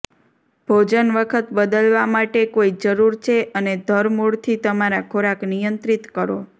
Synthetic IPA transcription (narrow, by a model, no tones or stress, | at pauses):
b̥ʱod͡ʒənʋəkʰət̪bəd̪əlʋamaʈekoid͡ʒəɾuɾt͡ʃʰeʔəned̪ʱəɾmuɭt̪ʰit̪əmaɾakʰoɾaknijənt̪ɾit̪kəɾo